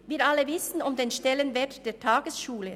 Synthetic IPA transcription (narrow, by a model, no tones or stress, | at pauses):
viːʔalːəvɪsn̩ʊmdeːnʃtɛlənvɛɐtd̥eːɐtʰaːɡəsʃuːlə